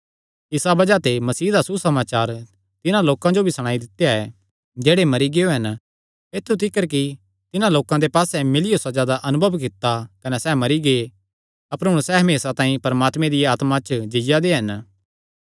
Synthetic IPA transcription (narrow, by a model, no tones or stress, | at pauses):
ɪsabɐd͡ʒat̪emɐsiːd̪asusɐmaːt͡ʃaːɾ | t̪ɪnãloːkãd͡ʒobʱisɐɽ̃aːid̪ɪt̪ːejaɛ | d͡ʒeːɽemɐɾiɡeoɦɐn | eːt̪ʰːut̪ɪkːəɾk̬i | t̪ɪnãloːkãd̪epaːsɛmɪlɪjosad͡ʒaːd̪aʔɐnʊbʱəʋkɪt̪ːakɐnɛsɛːmɐɾiɡe | ɐpəɾɦʊ̃ɽ̃sɛːɦɐmeːsat̪ãːĩpɐɾmaːt̪mẽd̪ɪjaːt̪mat͡ʃd͡ʒɪjad̪eɦɐn